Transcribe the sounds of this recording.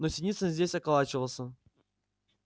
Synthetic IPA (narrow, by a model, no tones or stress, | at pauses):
nosʲɪnʲit̪səzʲdʲesʲɐkalˠat͡ɕɪvəlˠsʲə